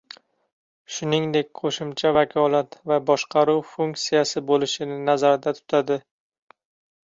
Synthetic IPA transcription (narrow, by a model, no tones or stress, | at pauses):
ʃʊnɪŋd̪e̞k̚ʲqʰoʃɪmt͡ʃʰavakʰɒlˠat̪vabɒʃqʰɑɾuwfuŋk̚t̪sijasɪbolɪʃɪnɪnazaɾɪd̪at̪ʰʊ̥t̪ʰad̪ɪ